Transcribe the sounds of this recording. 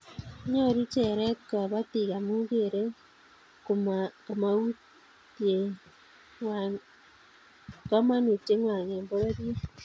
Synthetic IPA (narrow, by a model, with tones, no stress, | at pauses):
ɲɔ˦˨ɾi˦t͡ʃɛ˨ɾɛ˦t̚ka˨βa˦ti˨ka˨mu˦ɡe˨ɾe˦ | kko˨ma˨wu˦ | tje˨ | kɔ˦ma˦nu˨te˦ŋwa˨ŋɛ˨mbo˦ɾa˦dje˦